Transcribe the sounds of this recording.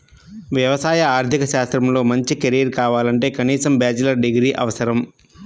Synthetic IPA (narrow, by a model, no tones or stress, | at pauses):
ʋjɐʋɐsaːjɐaːɾt̪ʰikɐʃaːst̪ɾɐmlo̞ːmɐɲt͡ʃikeɾijɐɾkaːʋaːlɐɳʈe̞ːkɐniːsɐmbjaːd͡ʒɐlɐɾɖiɡɾiːʔɐ̰ʋɐsɐɾɐm